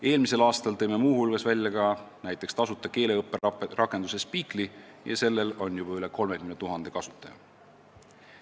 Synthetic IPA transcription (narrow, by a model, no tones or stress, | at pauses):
e̞ːlmise̞lɑːst̪ɑlt̪ɤ̞jme̞muːhulɡ̥ɑsvælʲjɑɡɑnæjt̪ːˑe̞kst̪ɑsut̪ːˑɑke̞ːle̞ɤpːˑerɑkːˑend̪use̞spiːklijɑ̰se̞lːe̞lo̞njub̥ɑyle̞ko̞lme̞kymnt̪uɦɑnd̪̥e̞kɑsu̥t̪ːˑɑjɑ̰